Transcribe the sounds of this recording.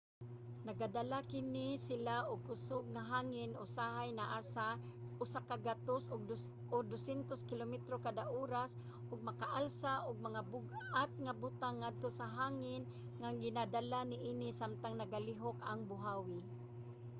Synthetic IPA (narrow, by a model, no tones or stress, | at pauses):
naɡadalakɪnɪsɪlaʔʊɡ̚kʊsʊɡ̚ŋaɦaːŋɪnʊsaɦajnaʔasa | ʔʊsakaɡat̪osʊɡ̚ | ʊd̪osɛnt̪oskɪlomɛt̪ɾokad̪aʔoːɾas | ʔʊɡ̚mɐkaʔalsaʔʊɡ̚maŋabʊɡʔat̪̚ŋabʊt̪aŋːad̪̚t̪osaɦaːŋɪn | ŋaŋɡɪnadalanɪʔinɪsamt̪aŋnaɡalɪɦokaŋbʊɦawɪ